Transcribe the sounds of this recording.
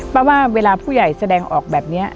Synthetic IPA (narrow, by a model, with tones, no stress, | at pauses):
pɾɔ˧˥waː˥˩weː˧laː˧pʰuː˥˩ja˨˩jsa˧dɛː˧ŋʔɔː˨˩k̚bɛː˨˩p̚ni˦˥ɐ